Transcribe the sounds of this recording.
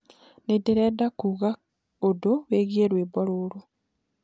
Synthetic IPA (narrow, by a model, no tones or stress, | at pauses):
nedeɾeːdakuɣa | odoweːɣieɾweːbaɾoːɾo